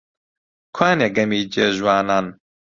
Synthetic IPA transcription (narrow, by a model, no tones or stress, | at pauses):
kʰwaːneɡɐmiːd͡ʒeːʒwaːnaːn